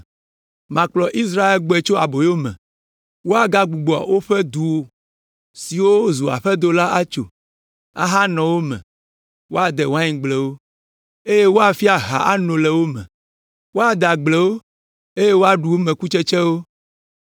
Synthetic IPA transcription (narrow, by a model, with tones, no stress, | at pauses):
mã˨k͡plɔ˨ʔi˦s̬ɾa˦e˦lɡ͡bɔ˨˦e˨t͡ʃo˦a˨bo˨jo˦mɛ̰̃˨ | wo˦a˨ɡa˦ɡ͡bu˨ɡ͡bɔ˨a̰˨wo˦ɸɛ˦d̪u˨wo˨ | si˨wo˦zu˨a̰˨ɸɛ˦d̪o˦la˦ʔa˦t͡ʃo̰˨ | a̰˦ɦa˦nɔ̃˨wo˦mɛ̰̃˨ | wo˦a˨d̪ɛ˨wo˦a˦ɲĩ˨ɡ͡blɛ˨wo˦ | e˦je˦wo˦a˨fi˦a˨ɦa̰˨ʔa˦nõ˨lɛ˨wo˦mɛ̰̃˨ | wo˦a˨d̪a˨ɡ͡blɛ˨wo˦ | e˦je˦wo˦a˦ɖu˨wo˦mɛ̃˨ku˦t͡ʃɛ˦t͡ʃɛ˦wo˦